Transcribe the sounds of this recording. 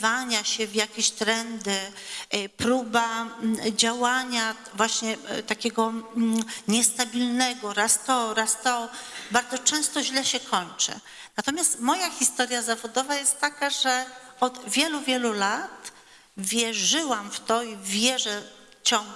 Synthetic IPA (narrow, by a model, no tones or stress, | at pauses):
vaɲaɕɛvʲjakʲeɕt̪ɾɛnd̪ɘ | pɾubad͡ʑawaɲa | vwaɕɲɛt̪akʲɛɡɔ | ɲɛst̪abʲilnɛɡɔɾast̪ɔɾast̪ɔbaɾd̪zɔt͡ʂɛ̃w̃st̪ɔʑlɛɕɛkʰɔɲt͡ʂɘ̰ | nat̪ɔmʲjast̪mɔjaxʲist̪ɔɾjazavɔd̪ɔvajɛst̪ːakaʐɛɔd̪vʲjɛluvʲjɛlulat̪ | vʲjɛʐɘwamft̪ɔivʲjɛʐɛ | t͡ɕɔ̃ŋɡ